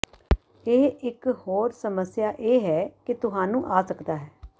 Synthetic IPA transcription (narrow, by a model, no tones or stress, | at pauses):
eːɪkhoːɾsəməsjaːʔeːɦɛːkɪt̪ʊɦaːnũːʔaːsəkd̪aːɦɛː